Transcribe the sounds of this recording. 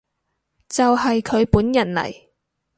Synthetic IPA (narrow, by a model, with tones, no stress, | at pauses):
t͡sɐ˨wɦɐ˨jkʰɵ˨˧ɥpuː˨˥njɐ˨˩nlɐ̰˨˩j